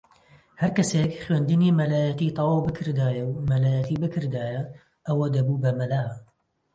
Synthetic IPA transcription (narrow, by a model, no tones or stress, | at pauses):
hɐɾkɐseːkχweːnd̪ɨniːmɐlaːjɐt̪iːt̪ˤɑwɑːwbɨkʰɨɾd̪aːjɐwmɐlaːjɐt̪iːbɨkʰɨɾd̪aːjɐ | ʔɐwɐd̪ɐbuːbɐmɐlaː